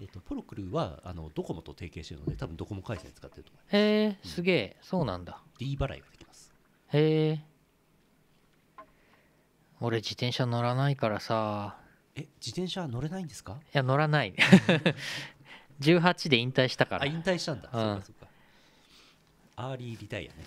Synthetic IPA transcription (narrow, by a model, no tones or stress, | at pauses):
et̪ːo̞pɯ̟ɾokɯ̟ɾɯβa̰a̰no̞̰d̪oko̞mo̞t̪o̞t̪e̞ːke̞ːɕt̪e̞ɾɯ̰nod̪e̞t̪abɯ̟̃nd̪o̞ko̞mo̞kaisḛ̃ɲ̟t͡sɨ̥kat̪ːe̞ɾɯ̟t̪omoimeːsɨɡe̞ːso̞ːnã̰nd̪ad̥̪ʲiːbaɾa̰ḭɡad̪e̥kʲi̥masɨ̥ | eː | o̞ɾe̞d͡ʑit̪ẽ̞ɰ̃ɕano̞ɾanaikaɾasa | ed͡ʑit̪ẽ̞ɰ̃ɕaβno̞ɾe̞naĩnd̪esɨ̥kajano̞ɾanai | d͡ʑɨːɦat͡ɕid̪e̞ĩnt̪aiɕi̥t̪aka̰ɾaĩnt̪aiɕi̥t̪ãnd̪aɯsõːkasokːḁ | aːɾʲiːɾʲit̪aḭjo̰ne